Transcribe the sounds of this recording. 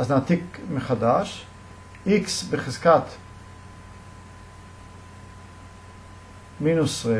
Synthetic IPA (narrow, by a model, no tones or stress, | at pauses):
aznat̪ikməχadaʃ | ɪksbɪχɪzkat̪ | miːnʊsve